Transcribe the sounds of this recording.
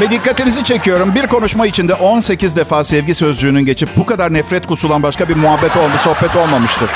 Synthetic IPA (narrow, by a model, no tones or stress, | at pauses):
vɛd̪ikːat̪inizit͡ʃʰe̞cʰijo̞ɾumbiɾko̞nuʃmait͡ʃʰind̪ɛʔo̞nse̞cʰizd̪ɛfaːsɛvɟisø̞zd͡ʒyːnynɟe̞t͡ʃʰip̚bukad̪aɾnɛfɾɛt̪kusulˠanbaʃkabiɾmuɦabːɛt̪olˠmso̞hbɛt̪ʰo̞lˠmamɯʃt̪ʰɯɾ̥